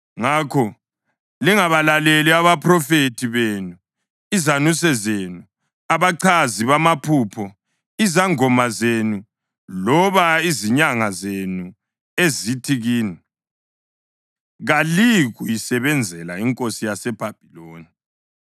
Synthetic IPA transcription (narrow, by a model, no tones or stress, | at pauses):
ŋakʰɔ | liŋaβalaleliaβapʰʼrɔfetʰiβeːnu | izanusɛzenu | aβaǀʰaziβamapʰuːpʰɔ | izaŋɔmazenu | lɔβaiziɲaŋazenu | ezitʰiɣiːni | ɣaliɣuisɛβɛnd͡zʱɛlaiŋkʼosijasɛb̥ʱab̥ʱiloːni